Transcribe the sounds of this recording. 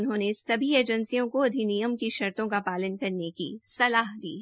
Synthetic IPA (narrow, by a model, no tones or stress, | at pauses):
ʊnɦõːnesɐbʱieːd͡ʒə̃nsijõkoɐd̪ʱinijəmkiʃɐɾt̪õkapaːlənkɐɾnekḭsɐlaːɦd̪ḭːɦɛ